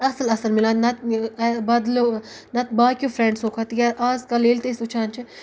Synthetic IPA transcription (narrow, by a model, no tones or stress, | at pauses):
ɐsɐlɐsɐlmilãːnɐt̪̚bɐd̪lo | nɐt̪̚baːkʲjoːfʰɾẽɳɖsoːkʰɐt̪jʲaɾʔaːzkɐleːlt̪esut͡ʃʰaːnt͡ʃʰi